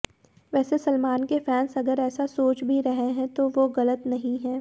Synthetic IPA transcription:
ʋɛːsesɐlmaːnkefɛːnsɐɡəɾɛːsasoːt͡ʃbʱiɾɐɦeɦɛ̃t̪oʋoɣɐlət̪nɐɦĩɦɛ̃ː

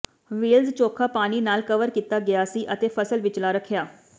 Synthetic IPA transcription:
ʋiːlzt͡ʃoːkʰaːpaːniːnaːlkəʋəɾkiːt̪aːɡɪjaːsiːʔət̪eːpʰəsəlʋɪt͡ʃlaːɾəkʰɪjaː

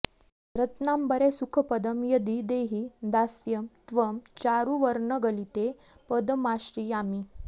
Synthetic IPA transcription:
ɾət̪nambəɾesukʰəpəd̪əmjəd̪id̪eɦid̪asjəmt̪ʋəmt͡ɕaɾuʋəɾɳəɡəlit̪e | pəd̪əmasʈijami

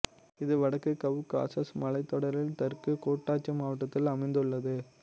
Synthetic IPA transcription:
ɪðɯʋɐɽɐkːɯkɐʋɯka̰ːsɐsmɐlɐɪt̪ːɔɽɐɾɪlt̪ɐɾkɯkoːʈːaːt͡ʃːɐmaːʋɐʈːɐt̪ːɪlɐmɐɪnd̪ɯɭːɐðɯ

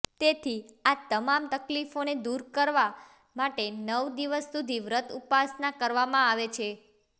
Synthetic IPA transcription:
t̪et̪ʰiat̪əmamt̪əklifoned̪uɾkəɾʋa | maʈenəʋd̪iʋəsːud̪ʱiʋɾət̪upasnakəɾʋamãaʋet͡ʃʰe

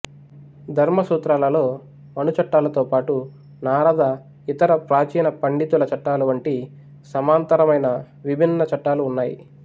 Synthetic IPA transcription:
d̪ʱɐɾmɐsuːt̪ɾaːlɐlo̞ː | mɐnut͡ʃɐʈːaːlɐt̪o̞ːpaːʈu | naːɾɐd̪ʱɐ | it̪ɐɾɐpɾaːt͡ʃiːnɐpɐɳɖit̪ulɐt͡ʃɐʈːaːluʋɐɳʈi | sɐmaːnt̪ɐɾɐmɐjnɐ | ʋibʱinːɐt͡ʃɐʈːaːluːnːaːjḭ

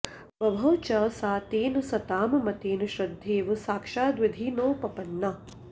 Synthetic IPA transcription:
ʋɐbʱɐːt͡ʃɐsaːt̪eːnusɐt̪aːmɐmɐt̪eːnuʃɾɐd̪ʱːiːʋɨsaːkʂaːd̪ʋɪd̪ʱiːnoːpɐpɐnːɐ

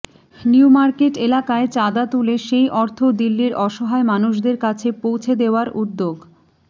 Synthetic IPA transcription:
niumaɾkeʈelakaet͡ɕad̪at̪uleʃejʔɔɾt̪ʰod̪ilːiɾʔɔʃɔɦaemanuʃ̬d̪eɾkat͡ɕʰepowt͡ɕʰed̪eoaɾud̪ːoɡ

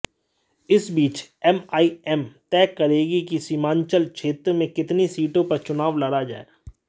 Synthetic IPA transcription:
ɪsbiːt͡ʃɛmaːiɛmt̪ɛːkɐɾeːɡikisimãːɲt͡ʃəlt͡ʃʰeːt̪ɾmẽkɪt̪nisiːʈõpɐɾt͡ʃʊnaːʋlɐɽad͡ʒa̰ːḛː

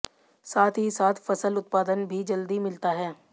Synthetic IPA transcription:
saːt̪ʰɦisaːt̪ʰfɐsəlʊt̪̚paːd̪ənbʱid͡ʒəld̪imɪlt̪aɦɛː

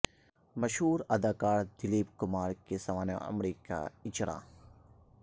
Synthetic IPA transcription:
mɐʃɦuːɾɐd̪aːkaːɾd̪ɪliːbkʊmaːɾkesɐʋaːna̰ɐ̰mɾiːka̰ɪt͡ʃɾʔã̰ː

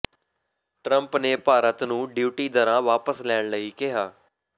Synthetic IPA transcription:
ʈɾəmpneːpaːɾət̪nũːɖjuːʈiːd̪əɾãːʋaːpəslɛːɳləiːkɪɦaː

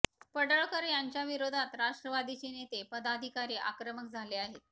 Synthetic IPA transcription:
pəɽəɭkəɾjaɲt͡ɕjaʋiɾod̪ʱat̪ɾaʂʈɾəʋad̪it͡ɕenet̪epəd̪ad̪ʱikaɾiʔa̰kɾəməkd͡zʱaleaɦet̪

